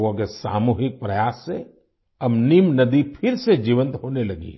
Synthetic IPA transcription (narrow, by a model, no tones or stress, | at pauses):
õkesa̰ːmuːɦɪk̚pɾɐjaːsːe | ɐmnimnɐd̪ipʰɪɾsed͡ʒiːʋə̃nt̪ɦoːnelɐɡḭ